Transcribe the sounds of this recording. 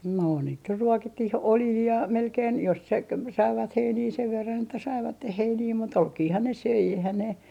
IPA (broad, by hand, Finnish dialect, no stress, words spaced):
no niːt ny ruokitːih oljiː jɑ melkein jos se k sɑiʋɑt heiniː seʋ ʋerːɑn etːæ sɑiʋɑtːeh heiniː mut olkiːhɑn ne søi eihæn ne